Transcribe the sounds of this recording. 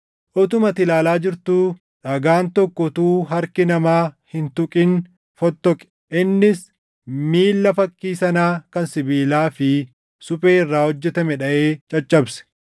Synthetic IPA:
ʔɔt̪ʊmɐt̪ɪlaːlaːd͡ʒɪɾt̪uː | ᶑɐɡaːnt̪ɔkːɔt̪uːɦɐɾkɪnɐmaːhɪnt̪ʊkʼɪn | fɔt̪ːɔkʼɛ̥ʔɪnːɪs | miːlːɐfɐkːiːsɐnaːkɐnsɪbiːlaːfɪ | sʊpʼeːɪrːaːhɔd͡ʒːɛt̪ɐmɛᶑɐʔeːt͡ʃʼɐt͡ʃʼːɐbsɛ̥

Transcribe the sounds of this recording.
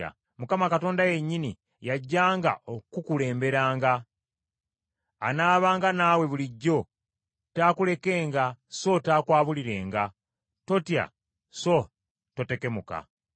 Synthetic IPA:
a̰ | mukamakato̞ːndaje̞ɲːini | jaɟːaːŋɡa̰ʔokukule̞ːmbe̞ɾaːŋɡa | naːβaːŋɡanaːwe̞βuliɟːo̞ | taːkule̞ke̞ːŋɡaso̞taːkwaːβuliɾe̞ːŋɡa | to̞tja̰ | so̞ | to̞te̞ke̞muka̰

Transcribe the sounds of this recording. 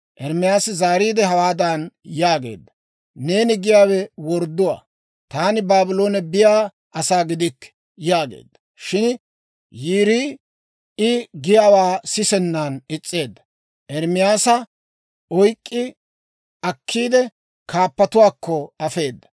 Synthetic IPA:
ʔɛɾmɪjaːsɪzaːɾiːd̪ɛɦɐwaːd̪anjaːɡe̞̰ːd̪ːɐ | ne̞ːnɪɡɪjaːwɛwɔɾd̪ːʊwa̰ː | t̪aːnɪbaːbɪlo̞ːnɛbɪjaː | ʔɐsaːɡɪd̪ɪkːɛ̥ | jaːɡḛːd̪ːɐ̥ | ʃɪn | jiːɾiː | ɪɡɪjaːwaːsɪsɛnːaːnɪt͡sʼːe̞ːd̪ːɐ̥ | ʔɛɾmɪjaːsɐ | ɔjkʼːɪ | ʔɐkʰːiːd̪ɛ | kʰaːpːɐt̪ʊwaːkːɔɐfe̞ːd̪ːɐ̥

